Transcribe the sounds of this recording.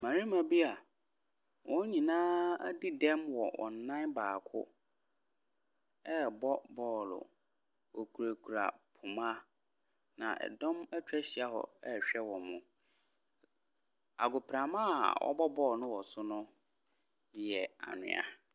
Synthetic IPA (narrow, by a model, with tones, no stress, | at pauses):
mã˨ɾi˦mã˨bi˦a˨ | wɔ̃˦ɲĩ˨nãː˦di˦dɛ̃˦mwɔ˨wʔɔ̰̃˨n̩ː˨ã˦nbaː˨kʰʊ̰˦ | ɛ˦˨bɔ˦bɔː˦˨lʊ̰˨ | wɔ˨kʰu˨ɾa˨kʰu˨ɾa̰˨pʰʊ˨mã˦ | nã̰˨ɛ̰˨dɔ̃˦mɛ˦t͡ɕᶣɛ˦ɕi˨a˦ɦɔ̰˨ɛ˦˨ɕᶣɛ˦wɔ̃˨mʊ̃˨ | a̰˨ɡʊ˨pɾã˨mã˦a˨wɔ̰˦bɔ˦bɔː˦˨nʊ̃˦wɔ˨sʊ˦nʊ̃˦˨ | jɛ˨a̰˨nʊ̰̃˨a̰˨